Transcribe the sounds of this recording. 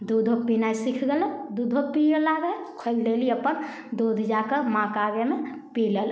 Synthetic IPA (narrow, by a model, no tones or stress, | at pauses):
d̪ud̪ʱopinaisikʰɡəled̪ud̪ʱopilaːɡə | kʰold̪eliəpən | d̪od̪ʱd͡ʒakəmãkaɡeme | piləl